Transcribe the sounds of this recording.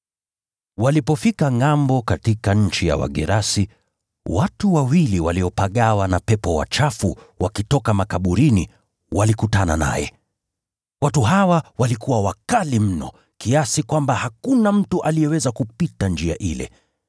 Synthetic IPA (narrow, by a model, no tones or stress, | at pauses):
walipɔfikaŋambɔkatikaɲ̩t͡ʃija̰wa̰ɠɛɾasi | watuwawiliwaliɔpaɠawanapɛpɔwa̰t͡ʃafu | wakitɔkamakaɓuɾini | walikutanana̰jɛ̰ | watuɦawawalikuwawakalim̩nɔ̰ | kiasikwambahakunam̩tuʔalijɛwɛzakupitand͡ʒia̰ʔḭlɛ̰